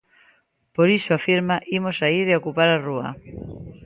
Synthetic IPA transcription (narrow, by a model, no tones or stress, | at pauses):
poɾisoafiɾmaʔimosaiðeokupaɾarua̰